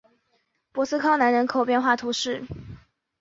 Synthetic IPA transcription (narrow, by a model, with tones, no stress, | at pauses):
pwɔ˧˥sɹ̩˥kʰɑ˥ʊna˧˥nɻə˧˥nkʰo˨˩ʊpjɛ˥˧nxwa˥˩t̪ʰu˧˥ʂɻ̩˥˩